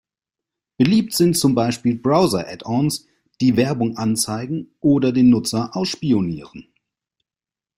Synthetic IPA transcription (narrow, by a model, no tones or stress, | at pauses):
b̥əliːp̚tz̥ɪntt͡sʊmbaɪʃpiːlbʁaʊzɐʔɛtons | d̥iːvɛɐbʊŋʔant͡saɪɡŋ̩ʔoːdɐdeːnːʊt͡sɐʔaʊsʃpioniːʁən